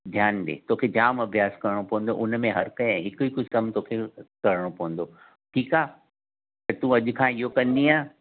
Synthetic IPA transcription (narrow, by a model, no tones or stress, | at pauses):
d̪ʱjaːnɗ̪ḛːt̪oːkʰed͡ʑaːmɐbʱjaːskɐɾɪɽ̃opɐʋə̃nd̪oʔʊnmẽɦɐɾkɐ̃ɦɪkʊikʊsəmt̪oːkʰekɐɾɪɽ̃opɐʋə̃nd̪o | ʈʰiːkaː | t̪ɐt̪ũɐʄʊkʰãiɦokɐ̃nd̪iãː